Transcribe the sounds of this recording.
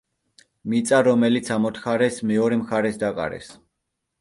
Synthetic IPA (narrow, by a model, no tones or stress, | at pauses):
mit̪sʼaɾɔmɛlit̪sʰamɔt̪ʰχaɾɛsmɛɔɾɛmχaɾɛsd̪akʼa̰ɾɛ̰s